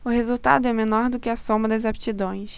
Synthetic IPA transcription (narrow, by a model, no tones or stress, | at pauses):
ʊhezuwt̪a̰d̪ʊɛmenɔɾd̪ʊkɪɐsõmɐd̪ɐzapt͡ʃid̪õj̃s